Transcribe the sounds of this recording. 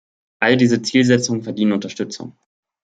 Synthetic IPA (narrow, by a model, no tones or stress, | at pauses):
ʔalədiːzət͡siːlzɛt͡sʊŋənfɛɐdiːnənʊntɐʃtʏt͡sʊ̰ŋ